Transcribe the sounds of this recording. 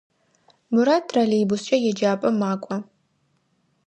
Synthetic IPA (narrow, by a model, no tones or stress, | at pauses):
mɨɾatʰralejbʊst͡ʃʼɐjɛd͡ʒaːpʼɐmaːkʷʼɔ